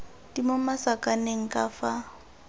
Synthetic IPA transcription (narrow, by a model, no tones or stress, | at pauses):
d̥imomasakʼaneŋ̩kʼafa